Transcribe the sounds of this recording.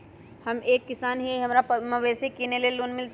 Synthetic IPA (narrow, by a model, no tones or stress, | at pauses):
hɐmeːkːɪsaːnɦiɦɐmɾapmɐʋɛːsekiːneleluːnmɪlt̪